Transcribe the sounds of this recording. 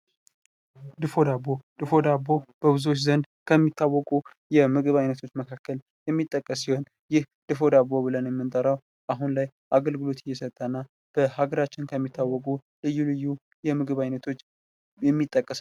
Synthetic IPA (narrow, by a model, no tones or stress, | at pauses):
d̪ɨfo̞d̪abod̪̥ɨfo̞d̪abːo̞b̥əβɨzuwot͡ʃːzənd̪ | kʰəmːit̪ʰːawːɔkʼu | jɛmɨɡɨβajnət̪ʰo̞t͡ʃːməkʰakːəl | jɛmːit̪ʼːəkʼːəs̬ːiho̞n | jɪh | d̪̥ɨfo̞d̪aβːo̞bɨlənjɛmːɨnt̪ʼəɾəw | ʔaɦunlaj | ʔaɡəlɡɨlo̞t̪ɪjːɛsət̪ʼːanːa | b̥əhaɡəɾat͡ʃːɪnkʰəmːit̪ʰːawːɔkʼu | lɨjːulɨjːu | jɛmɨɡɨβajnət̪ʰo̞t͡ʃː | jɛmːit̪ʼːəkʼːəs